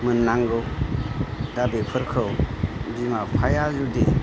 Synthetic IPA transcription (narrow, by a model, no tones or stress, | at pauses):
mɯnːaŋɡɯ | dabepʰɯɾkʰɯwbimapʰajazudi